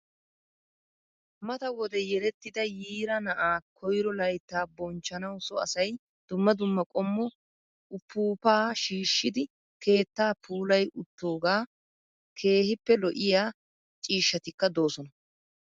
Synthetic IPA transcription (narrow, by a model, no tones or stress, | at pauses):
mɐt̪ɐwɔd̪ɛjɛɾɛt̪ːɪd̪ɐjiːɾɐnɐʔaːkʰɔjɾɔlɐjt̪ːaːbɔnt͡ʃːɐnɐwsɔɐ̰sɐj | d̪̥ʊmːɐd̪ʊmːɐkʼɔmːɔ | ʊpːuːpaːʃiːʃːɪd̪ɪ | ke̞ːt̪ːaːpʰuːlɐjʔʊt̪ːo̞ːɡaː | kʰe̞ːhɪpːɛlɔʔɪjaː | t͡ʃʼiːʃːɐt̪ɪkːɐd̪o̞ːsɔnɐ